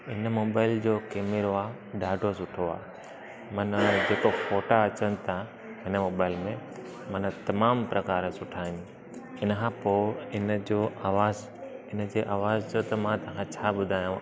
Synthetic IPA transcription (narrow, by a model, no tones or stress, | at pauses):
ɪnəmoːbaːɪld͡ʑoːkeːmɪɾoaː | ɖaːɖʱosʊʈʰoa̰ː | mɐnd͡ʑeːkofoːʈaɐt͡ɕənɪ̆t̪ʰa | ɦɪnəmoːbaːɪlmẽ | mɐnə̆t̪ɐmaːmpɾɐkaːɾsʊʈʰaːɪn | ɪnəkʰãpoːɪnəd͡ʑoːʔaːʋaːz | ɪn̆d͡ʑeːʔaːʋaːzd͡ʑot̪ɐmãt̪ɐə̃kʰãt͡ɕʰaːbʊd̪ʱaːjũ